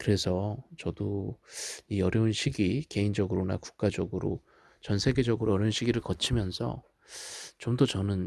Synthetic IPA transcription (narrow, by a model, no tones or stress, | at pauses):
kɯɾe̞sʰʌt͡ɕʌdo | iʌɾjʌunɕʰiɡike̞ind͡ʑʌɡɯɾona̰ku̥k̚k͈ad͡ʑʌɡɯɾo̰ | t͡ɕʌnsʰe̞ɡe̞d͡ʑʌɡɯɾoʌɾjʌunɕʰiɡiɾɯɭkʌt͡ɕʰimjʌnsʰʌ̰ | t͡ɕomdʌt͡ɕʌnɯn